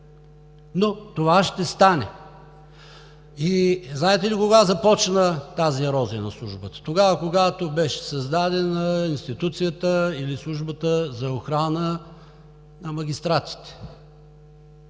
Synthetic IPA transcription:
not̪ovaʃt̪ɛst̪anɛ | iznaɛt̪ɛlikoɡazɐpɔt͡ʃnət̪aziɐɾɔzinɐslˠuʒbət̪ə̥t̪oɡavəkoɡat̪obɛʃɛ̥sɐzd̪ad̪ɛnəinst̪it̪ut̪sijət̪əilislˠuʒbət̪əzɐoxɾanə | nɐmɐɡʲist̪ɾat̪si̥t̪ɛ̥

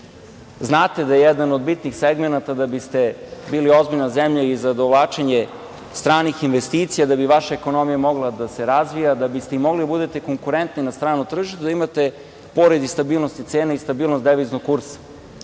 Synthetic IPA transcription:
znaːt̪ed̪ajejɛd̪anod̪bit̪nixseɡmenat̪ad̪abist̪e̞biːlio̞zbiʎnazemʎaizad̪oʋlˠaːt͡ʃeɲe | st̪ɾaːnixinʋest̪iːt̪sijad̪abiʋaʃaeko̞no̞mijamo̞ɡlˠad̪ase̞ɾazʋijad̪abist̪eimoɡlid̪abud̪et̪e̞ko̞ŋkuɾent̪ninast̪ɾaːnut̪r̩ʒiʃt̪ud̪aimat̪e̞ | po̞ɾed̪ist̪abiːlnost̪it̪seːnaist̪abiːlˠnosd̪eʋiznoɡ̚kːuɾsḁ

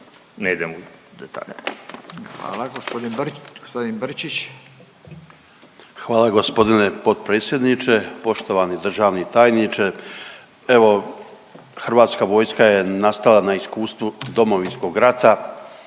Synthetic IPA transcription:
neid̪emod̪et̪ʰa̰ːʎa | xʋa̰ːlˠaɡospod̪inɡospod̪inbr̩t͡ʃit͡ʃ | xʋaːlˠaɡo̞spo̞d̪ine̞po̞d̪̚pɾeːt̪sʲje̞d̪nit͡ʃe̞po̞ʃt̪o̞ʋanid̪r̩ʒaːʋnit̪aːjnit͡ʃe | e̞ʋo̞ | xrʋaːt̪skaʋo̞ːjskaje̞nast̪alˠanaiskuːst̪ʋud̪o̞mo̞ʋinsko̞ɡɾat̪a

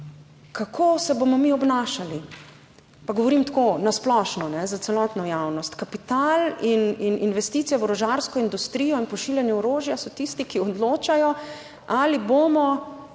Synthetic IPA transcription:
kakʰoːsɛbomɔmiɔbnaːʃali | paɡɔʋɔɾimt̪koːnasplɔʃnɔnɛzat̪sɛlɔt̪nɔjawnɔst̪kapit̪alinininʋɛst̪iːt̪ijɛɔɾɔʒaɾskɔind̪ust̪ɾiːjɔinpɔʃiːljɛnjɛɔɾoːʒjasɔt̪ist̪ikiɔd̪loːt͡ʃajɔ | aliboːmɔ

